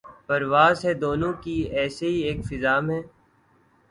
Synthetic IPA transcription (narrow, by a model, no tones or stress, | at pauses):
pɐɾʋaːzɦɛd̪oːnõkiɛːseɦieːkfɪzaːmɦɛː